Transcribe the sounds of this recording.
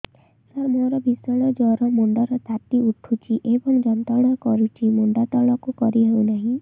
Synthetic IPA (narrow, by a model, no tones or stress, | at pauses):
sɔɾmoɾɔbʱisɔɭɔd͡ʒɔɾɔmuɳɖɔɾɔt̪at̪iuʈʰut͡ʃʰiʔebɔŋd͡ʒɔnt̪ɔɽ̃ɔkɔɾut͡ʃʰimuɳɖat̪ɔɭɔkukɔɾiɦewnaɦĩ